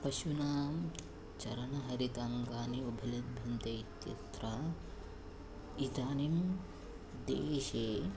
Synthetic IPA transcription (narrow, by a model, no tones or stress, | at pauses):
pɐʃunaːm | t͡ʃɐɾɐnɐɦɐɾit̪aŋɡaːniubʱɐlɐd̪̚bʱɐnt̪ɐit̪jɐ̰t̪ɾa | it̪aːnim | d̪ḛːʃeː